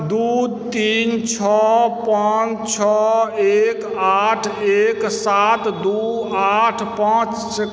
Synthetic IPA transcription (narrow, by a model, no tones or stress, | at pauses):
d̪ut̪int͡ʃʰɔpant͡ʃʰɔek | aʈʰeksat̪d̪uaʈʰpãt͡ʃ | s